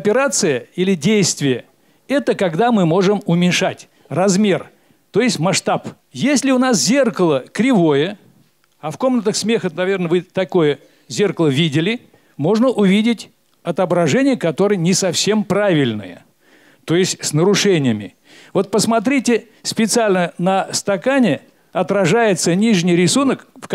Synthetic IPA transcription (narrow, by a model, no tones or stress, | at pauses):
ɐpʲɪɾat̪sɨjəilʲɪdʲejst̪vʲɪjə | ɛt̪əkɐɡd̪amɨmo̞ʐɨmʊmʲɪnʲʂatʲ | rɐzmʲe̞r | t̪o̞jɪsʲtʲmɐʂt̪ap | jesʲlʲɪʊnas̬zʲe̞rkəlˠəkɾʲɪvo̞jə | ɐfko̞mnət̪əxsmʲe̞xənɐvʲe̞rnəvɨt̪ɐko̞jə | zʲerkəlˠəvʲidʲɪlʲɪ | mo̞ʐnəʔʊvʲidʲɪtʲ | ɐt̪əbɾɐʐɛnʲɪjəkɐt̪o̞ɾəjənʲɪsɐfsʲe̞mpɾavʲɪlʲnɨ̰jə̰ | t̪o̞jɪsʲtʲsnəɾʊʂɛnʲɪjəmʲɪ | vo̞t̪̚pəsmɐt̪ɾʲitʲɪ | spʲɪt̪sɨalʲnənəst̪ɐkanʲɪ | ɐt̪ɾɐʐajɪt̪sənʲiʐnʲɪjɾʲɪsunəkf